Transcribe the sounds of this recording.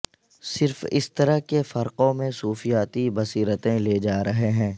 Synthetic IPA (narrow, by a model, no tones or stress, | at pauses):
sɪɾfɪ̰st̪ɐɾəɦkefɐɾqõmẽsuːfijaːt̪ibɐsiːɾət̪ẽleːd͡ʒaːɾɐɦeɦɛ̃ː